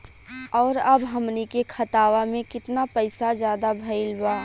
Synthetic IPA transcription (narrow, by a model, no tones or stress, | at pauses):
ɔːɾɐbɦɐmnikekʰɐt̪aːʋamẽkɪt̪napɐɪsazjaːd̪abʱɐɪlbaː